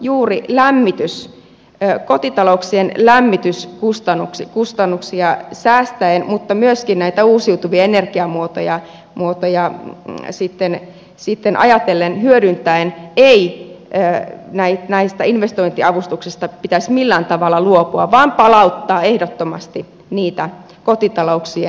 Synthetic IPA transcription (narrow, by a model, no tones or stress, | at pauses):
juːrilæmːit̪ys | øːkot̪it̪ɑlouksienlæmːit̪yskust̪ɑnːukskust̪ɑnːuksiɑsæːst̪æenmut̪ːɑmyøskinnæit̪æuːsiut̪uʋiɑenerɡ̥iɑmuot̪ojɑ | muot̪ojɑ | sit̪ːen | sit̪ːenʔɑ̰jɑt̪elːenhyøɾynt̪æeneiøːnæit̪næist̪æinʋest̪oint̪iɑʋust̪uksist̪ɑpit̪æsmilːæːnt̪ɑʋɑlːɑluopuɑʋɑːmpɑlɑut̪ːɑːehdot̪ːomɑst̪i | niːt̪æ | kot̪it̪ɑlouksie